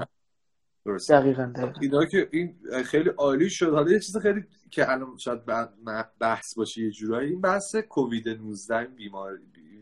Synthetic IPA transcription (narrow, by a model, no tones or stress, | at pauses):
d̪̥oɾosd̪æɣiɣand̪æiiːnɒːcʰeʔinxejliʔɒːliːʃod̪hɒlɒjet͡ʃʰiːzixejliː | cʰeʔælɒnʃɒːjæd̪̚bæmæbæhsbɒːʃejed͡ʒuːɾɒːjiiːnbæhsekʰoviːd̪enuzd̪æhinbiːmɒːɾibi